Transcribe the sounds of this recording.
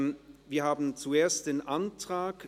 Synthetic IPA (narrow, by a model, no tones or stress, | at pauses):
viːɐhaːbn̩t͡sueːɐstd̥eːnʔantʁ̥aːk